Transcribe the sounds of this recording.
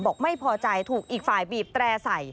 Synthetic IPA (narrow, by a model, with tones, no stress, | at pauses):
bɔː˨˩k̚ma˥˩jpʰɔː˧t͡ɕa˧jt̪ʰuː˨˩k̚ʔiː˨˩k̚faː˨˩jbiː˨˩p̚t̪ɾɛː˧sa˨˩j